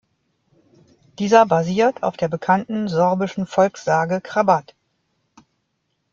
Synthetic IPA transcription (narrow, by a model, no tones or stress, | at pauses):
d̥iːzɐbaziːɐtʰa̰ʊfd̥eːɐbəkʰantn̩zɔʁbɪʃn̩fɔlksz̥aːɡəkʁ̥abat